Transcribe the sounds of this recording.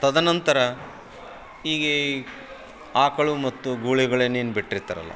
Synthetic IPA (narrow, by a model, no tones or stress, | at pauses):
t̪ɐd̪ɐnɐnt̪ɐɾɐ | iːɡe | aːkɐɭumɐt̪ːuɡuːɭiɡɐɭeːnːeːnubiʈːɾit̪ːɐɾɐ̰lːɐ̰